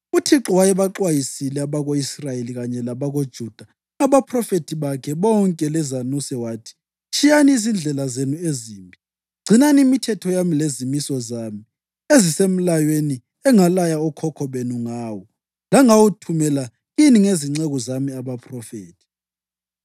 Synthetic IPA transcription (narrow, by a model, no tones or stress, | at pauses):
utʰiǁɔwajɛβaǁwajisilɛaβaɣoisrajeliɣaɲɛlaβaɣod̥ʒ̥ʱud̥ʱa | aβapʰrɔfetʰiβakʰɛβɔŋkʼɛlɛzanusɛwaːtʰi̥ | t͡ʃʰʼijaniːzind͡ɮʱɛlazenueziːmbʱi | ɡ͡ǀʱinaniimitʰɛtʰɔjamilezimisɔzaːmi | ezisem̩lajweni | ɛŋalajaɔkʰɔkʰɔβenuŋaːwɔ | laŋawutʰumɛla | jiniŋeziŋ͡ǀɛɣɔzamiaβapʰrɔfeːtʰi̥